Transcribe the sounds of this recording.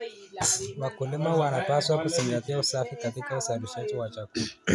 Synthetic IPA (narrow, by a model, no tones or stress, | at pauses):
wakulimawanapaswakusiŋɡatiausafikatikausaɾiʃad͡ʒiwat͡ʃaku